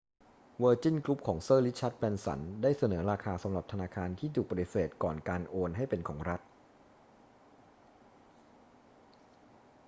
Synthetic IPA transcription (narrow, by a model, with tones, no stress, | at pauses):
wəː˧t͡ɕi˥˩nklu˦˥p̚kʰɔː˩˦ŋsɤː˥˩li˦˥t̪̚t͡ɕʰa˦˥t̪̚pɛː˧nsa̰˩˦ndaː˥˩jsa˧nɤː˩˦ɾaː˧kʰaː˧sa˩˦mɾa˨˩p̚t̪ʰa˧naː˧kʰaː˧nt̪ʰiː˥˩t̪ʰuː˨˩k̚pa˧t̪i˨˩seː˨˩t̪̚kɔː˨˩nkaː˧nʔoː˧nɦa˥˩jpe˧nkʰɔː˩˦ŋɾa˦˥t̪̚